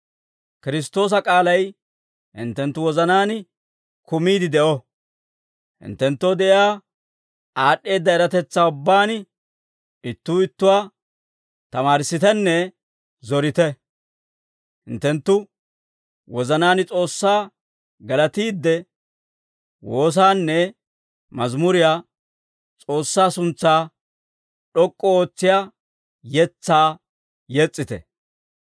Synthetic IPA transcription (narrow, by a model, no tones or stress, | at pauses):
kɪɾɪs̬t̪o̞ːs̬ɐkʼaːlɐj | hɪ̰nt̪ːɛnt̪ːʊwɔzɐnaːn | kʊmiːd̪ɪd̪ɛʔɔ | hɪ̰nt̪ːɛnt̪ːod̪ɛʔɪaː | ʔaːɗːe̞ːd̪ːɐɛɾɐt̪ɛt͡sːaːʊbːaːn | ɪt̪ːuːɪt̪ːʊwaː | t̪ɐmaːɾsːɪt̪ɛnːɛ | zɔɾɪt̪ɛ | hɪnt̪ːɛnt̪ːʊ | wɔzɐnaːnɪt͡sʼo̞ːsːaː | ɡɐlɐt̪iːd̪ːɛ | wo̞ːs̬aːnːɛ | mɐzmʊɾɪjaː | t͡sʼo̞ːsːaːsʊnt͡sːaː | ɗɔkʼːɔoːt͡sːɪjaː | jɛt͡sːaː | jɛt͡sʼːɪt̪ɛ̰